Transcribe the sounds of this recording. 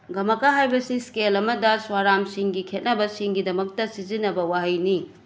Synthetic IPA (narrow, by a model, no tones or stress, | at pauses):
ɡɐmɐkaɦajbɐsiskelɐmɐdɐswaɾamsiŋɡikʰet̚nɐbɐsiŋɡidɐmɐk̚tɐsizinɐbɐwaɦɐjni